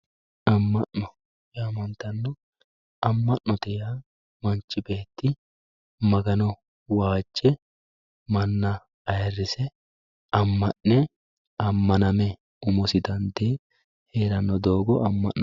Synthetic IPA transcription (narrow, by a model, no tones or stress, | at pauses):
ɐmːɐʔnɔ | jɛɐmɐnt̪ːɐnːɔ | ɐmːɐʔnɔt̪ɛja | mɐnt͡ʃːɪbe̞ːt̪ːɪ | mɐɡɐnɔ | waːt͡ʃʼːɛ | mɐnːɐ | ɐjɐrːɪsɛ | ɐmːɐʔːɛ | ɐmːɐnɐmɛ | ʊmʊsɪd̪ɐnd̪eː | heːɾɐnːɔd̪o̞ːɡɔʔɐmːɐ̰ʔːɔ